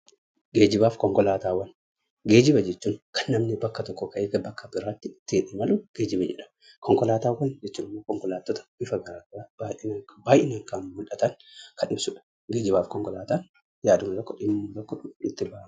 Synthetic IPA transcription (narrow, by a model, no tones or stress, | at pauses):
ɡe̞ːd͡ʒɪbaːfkɔŋkɔlaːt̪aːwːɐn | ɡe̞ːd͡ʒɪbɐd͡ʒɛt͡ʃːuːŋkʰɐnːɐmnɪbɐkːɐt̪ɔkːɔkɐʔeːɡɐbɐkːɐbɪɾaːt̪ːɪt̪ːɪᶑɪmɐlʊɡ̥e̞ːd͡ʒɪbɛd͡ʒɛ̰ᶑɐ̥mɐ | kʰɔŋkɔlaːt̪aːwɐnd͡ʒɛt͡ʃːuːnɪmːoːkɔŋkɔlaːt̪ːot̪ɐ̥bɪfɐɡɐɾaːɡɐɾaːbanbaːjʔɪnɐŋkanmʊlʔɐt̪ɐŋkʰɐnɪbsʊᶑɐ̥ | ɡeːd͡ʒɪbaːfkɔŋkɔlaːt̪aːn | jaːd̪ʊmɐt̪ɔkːɔᶑɪmːʊlɔkːɔɪt̪ːɪbɐh